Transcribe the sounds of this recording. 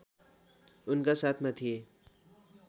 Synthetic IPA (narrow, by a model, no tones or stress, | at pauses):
ʊnkasaːt̪ʰmãt̪ʰie